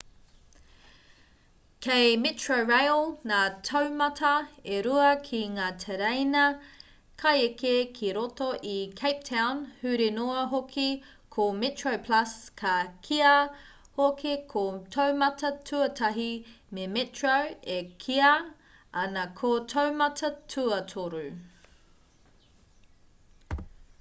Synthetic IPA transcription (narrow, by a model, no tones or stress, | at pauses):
kʰejmetʰɹoɹajlˠnaːtʰɐwmɐtʰɐeɾuɐkʰiŋaːtʰeɾejnɐ | kʰɐjekekʰiɾotoʔikʰejp̚tʰawnhʉɾinoɐɦokʰi | kʰometɹowpʰlɐskʰɐkʰiɐ | hokʰekʰotʰowmɐtɐtʰʉɐtʰɐɦi | memetɹowekʰiɐ | ɐnɐkʰotʰowmɐtʰɐtʰuɐtʰoɾu